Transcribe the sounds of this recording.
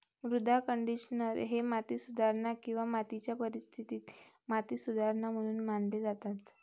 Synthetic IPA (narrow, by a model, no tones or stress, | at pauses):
ʋɾud̪ʱakəɳɖiɕnəɾɦemat̪isud̪ʱaɾnakĩw̃ʋamat̪it͡ɕjapəɾist̪ʰit̪iːt̪ | mat̪isud̪ʱaɾnam̤əɽ̃uːnmanled͡zat̪at̪